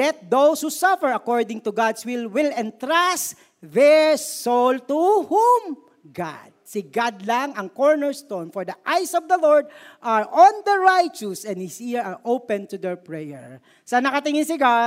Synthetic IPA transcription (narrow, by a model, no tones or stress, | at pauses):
lɛt̪̚d̪owshusafɛɹɐkɔɹd̪ɪ̃ŋt̪ʊɡad̪swɪlwɪlɛ̃nt̪ɾas | ðɛɹsolt̪uhum | ɡa̰d̪̚sɪɡad̪laŋɐŋkɔɹnɛɹst̪onfɔɹd̪ɐʔajsɔvd̪ɐlɔɹd̪̚ʔaɹʔɔnd̪ɐɹajt͡ʃusɛ̃nd̪̚hɪshiɹɐɹʔowpɛ̃nt̪ʊd̪ɛɹpɹɛjɛɹ | sɐnɐkɐt̪ɪŋɪ̃nsɪɡa